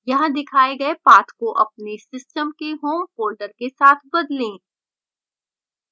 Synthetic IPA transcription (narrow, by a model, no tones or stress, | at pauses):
jɐɦãd̪ɪkʰaːeɡɐepaːt̪ʰkoʔɐp̚nesɪsʈəmkeɦoːmkoːlɖəɾkesaːt̪ʰbɐd̪lẽː